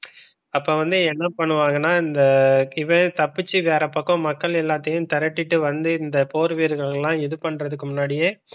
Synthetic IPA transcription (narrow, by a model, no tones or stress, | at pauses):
ɐpːoːʋɐnd̪ɯɛnːɐpɐɳːɯʋaːŋɡɐnːaːɪnd̪ɐɪʋɐ̃t̪ɐpːɯt͡ʃːiʋeːɾɐpɐkːɐ̃mɐkːɐɭɛlːaːt̪ːɐjɯ̃t̪ɐɾɐʈːɪʈːɯʋɐnd̪ɯɪnd̪ɐpoːɾʋiːɾɣɐɭlːãːɪðɯpɐɳːɾɐðɯkːɯmʊnːaːɽɪjeː